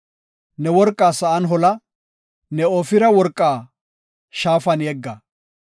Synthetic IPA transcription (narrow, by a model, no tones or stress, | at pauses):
nɛwɔɾkʼːaːsɐʔɐnɦɔlɐ | nɛoːfɪɾɐwɔɾkʼːaː | ʃaːfɐnjɛɡːɐ